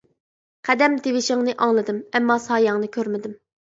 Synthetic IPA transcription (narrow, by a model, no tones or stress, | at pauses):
qʰæd̪ɛmt̪ewɪʃɪŋnɨʔɑŋlˠɨd̪ɨmɛmːɑsɑːjɑŋnɨkʲʰøɾmɪd̪ɪm